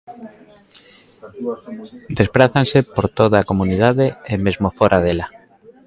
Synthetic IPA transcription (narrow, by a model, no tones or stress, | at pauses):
d̪espɾaθansepoɾt̪oðaːkomunið̞aðeemezmofoɾʔaðela